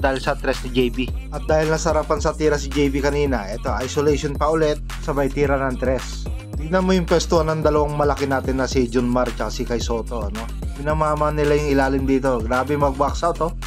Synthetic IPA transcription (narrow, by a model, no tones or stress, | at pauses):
d̪aːhɪlsɐt̪ɾɛsnɪd͡ʒɛjbiʔɐt̪̚d̪aːhɪlnɐsɐɾapɐnsɐt̪iːɾɐsɪd͡ʒɛjbikɐniːnɐʔɛːt̪o̞ʔajsolɛjʃonpɐʔʊlɛt̪̚sɐbɐjt̪iːɾɐnɐŋt̪ɾɛs | t̪ɪɡ̚nɐnmo̞jʊŋpwɛst̪ohanɐŋd̪ɐlɐwaŋmɐlɐkɪnaːt̪ɪnːɐsɪd͡ʒʊnmaɾt͡ʃɐkɐsɪkɐjso̞ːt̪o̞ʔɐno̞ | bɪnamaːmɐnːɪlajʊŋɪlaːlɪmd̪iːt̪o̞ɡɾaːbɛmɐɡ̚baksɐt̪o̞